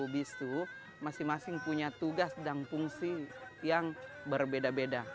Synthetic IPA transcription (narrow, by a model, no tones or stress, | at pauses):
ubist̪u | masɪmasɪŋpuɲat̪uɡasdaŋpuŋsijaŋ | bərbedabeda